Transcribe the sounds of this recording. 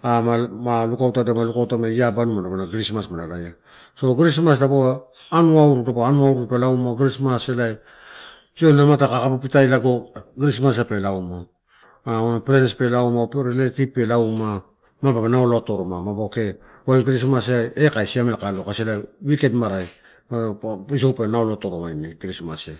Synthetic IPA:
amamalukawtadamalukawtamajabanumadabanaɡɾismasmanalaja | so̞ɡɾis̬mas̬daboaː | nuauɾudaboanuauɾupelawmaɡiɾismaselaj | d͡ʒionnamatakakapapitajlaɡo̞ɡiɾismas̬ape̞lawma | anapɾenespe̞lawmapɾeletipe̞lawma | mababanaolotoɾomamaboke̞ | aɡiɾis̬masaekajsiamelkalokaselawikedmaɾaj | ais̬owpenaolotoɾomajniɡɾismase

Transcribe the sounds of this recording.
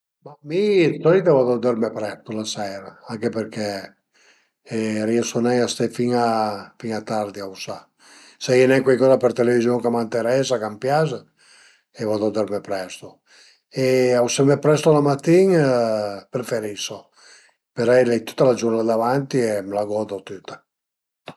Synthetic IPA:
mamisɔlit̪avad̪od̪ɛɾmɛpɾɛst̪olasɛɾaaŋkepeɾkɛ | ɛɾiosonɛjast̪ɛfiŋafiŋat̪aɾd̪iawsa | sainɛŋkwejkɔːzapeɾt̪elevizjoŋkamant̪eɾɛsakampjaz | evɔd̪od̪ɛɾmepɾɛst̪o | eawsamepɾɛst̪olamat̪ːiŋ | pɾefeɾiso | peɾɛjlɛjt̪u̥t̪ːalad͡ʒuɾnad̪avant̪iemlaɡɔd̪ot̪yt̪ːḁ

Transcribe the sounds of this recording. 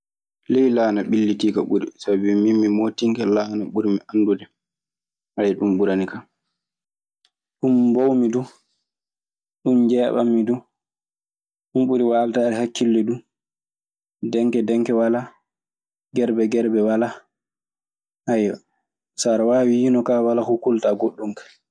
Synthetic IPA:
lɛjlaːnaɓilːitiːkaɓuɾḭsabbimimːimoːtiŋkɛlaːnaɓuɾimiʔandudɛ | ʔajɗumɓuɾanika | ɗumbowmidu | ɗumd͡ʒɛːɓa̰mːidu | ɗumɓuɾiwaltaɛɾhakːilːɛdu | dɛŋkɛdɛŋkɛwala | ɡɛɾbɛɡɛɾbɛwala | hajɔ | saɾawaːwijinɔkawalakɔkultaɡoɗːumkḁ

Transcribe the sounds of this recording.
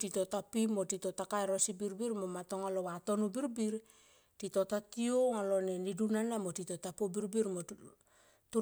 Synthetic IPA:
tito̞tapimotito̞takaeɾosibiɾbiɾmomato̞ŋalowato̞nubiɾbiɾ | tito̞tatioŋalonenidunanamotitotapobiɾbiɾmo | tu

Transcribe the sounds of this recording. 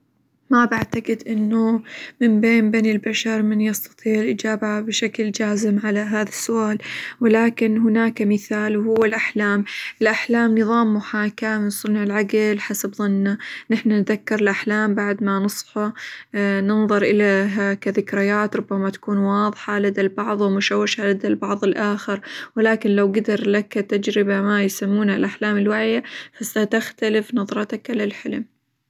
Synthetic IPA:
mabaʕt̪aqɪd̪ʔɪnːumɪmbeːmbeːnɪlbaʃɑɾˤmɪnjɑst̪ɑ̥t̪ˤiːʕʔɪd͡ʒaːbahabɪʃakld͡ʒaːzɪmʕalaɦaːðasːʊʔaːlwɪlaːkɪnɦʊnaːkamɪθaːlwhʊwːɪlʔaħlaːmʔɪlʔaħlaːmnɨðˤɑːmːʊħaːkamɪnsˤʊnʕɪlʕaɡlħasabðˤɨnːanɪħnanðakːɪɾɪlʔaħlaːmbaʕd̪manɨsˤfa | nɨnðˤɨɾʔɪlaɦakaðɪkɾɪjaːt̪ɾʊbːamat̪ḁkuːnwɑːðˤħalad̪albɑʕðˤwɪmʊʃawːɪʃalad̪albɑʕðˤɪlʔaːxɪɾwɪlaːkɪnlawɡad̪ɑɾˤlakt̪ad͡ʒɾɪbamajsamːuːnhalʔaħlaːmɪlwaʕjafasat̪axt̪alɪfnɑðˤɾˤɑt̪akʕalalħɪlm

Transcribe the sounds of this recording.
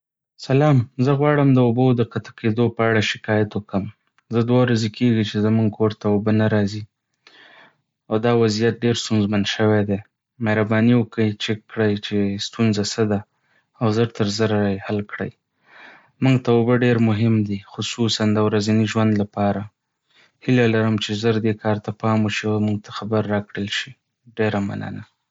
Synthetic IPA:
salɑmzəɣwɑɽəmd̪əʊbod̪əqat̪ḁkʰed̪opəaɽaʃɪ̥kɑjat̪wəkəm | zəd̪wawɾazekʰeɡit͡ʃezəmuŋɡ̚kʰoɾt̪aʊbənaɾɑzi | awd̪ɑwazijat̪̚ɖeɾst̪unzmanʃəwed̪e | mehɾabɑniwəkəjt͡ʃekːɽəjt͡ʃest̪unzasəd̪a | awzəɾt̪əɾzəɾajhalkɽə̰j | muŋɡt̪awbəɖeɾmʊɦɪmd̪ixʊsusand̪əwɾazaniʒwand̪lapɑɾa | hilalaɾəmt͡ʃezəɾd̪ekʰɑɾt̪apɑmwəʃiamuŋɡ̚t̪ḁxabaɾːɑkɽəlʃi | ɖeɾama̰nə̰na

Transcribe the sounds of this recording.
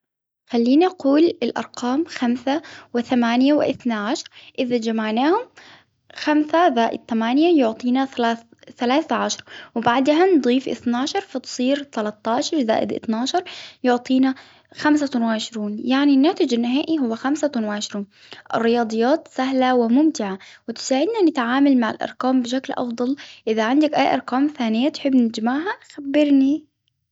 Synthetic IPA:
xalːiːnaʔquːlɪlʔɑ̰ɾˤqɑːmxamsawɪθamaːnjawɪ̰ʔɪ̰θnaʕaʃɑɾˤʔɪðad͡ʒamaʕnaːhʊm | xamsaðaːʔɪd̪̚t̪amaːnjajʊʕt̪ˤiːnaθlaːθ | θalaːθʕaʃɑɾˤwbaʕd̪hand̪ˤiːfʔɪ̰θnaːʃɑɾˤfɑt̪sˤiːɾt̪alat̪ˤːɑːʃɑɾˤza̰ːʔɪ̰d̪ʔɪ̰θnaːʃɑɾˤjʊʕt̪ˤiːna | xams̬awɪʕɪʃɾuːnjaʕninːaːt̪ɪd͡ʒanːɪɦaːʔiɦʊwːaxamsanwɪʕɪʃɾuːn | ʔɪ̰rːɪjɑːd̪ˤɨjːaːt̪saɦlawɪmʊmt̪ɪʕawɪt̪ɪ̥saːʕɪd̪nanɪt̪ʕaːmalmaʕa̰lʔɑ̰ɾˤkaːmbɪʃ̬aklʔɑ̰fd̪ˤɑlʔɪðaʕand̪akʔajːʔɑ̰ɾˤkaːmθaːnɪjːat̪ħɪbːnɪd͡ʒmaʕɦaxabːɪɾni

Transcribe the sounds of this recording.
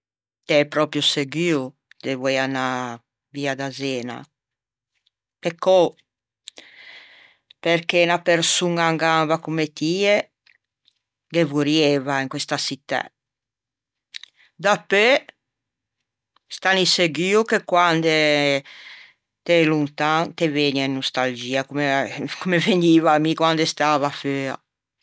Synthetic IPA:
t̪ɛpɾɔpɾjuseɡiːu | d̪̥evwɛjana | viad̪azɛːna̰ | pekːɔ | peɾkenapeɾsuŋaŋɡavakumet̪iːe | ɡevuɾjevaiŋkwest̪asit̪ːɛ̰ | d̪ape | st̪aniseɡiːukekwand̪e | t̪elunt̪aŋt̪eveɲainːust̪ald͡ʒiːakumekumeveɲiːvamikwand̪est̪aːvaføːa̰

